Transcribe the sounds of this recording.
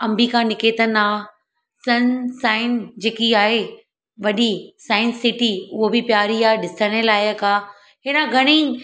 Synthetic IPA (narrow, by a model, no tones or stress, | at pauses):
ɐ̃mbʱikʰãnɪkeːt̪ənaː | sɐnsaːɪnd͡ʑeːkiaːɦe | ʋɐɗisãːɪnsɪʈiʊɦobɪpjaːɾiaːɦeɗɪsəɽ̃əlaːɪjəkaː | ɦɪnãɡʱɐɽ̃i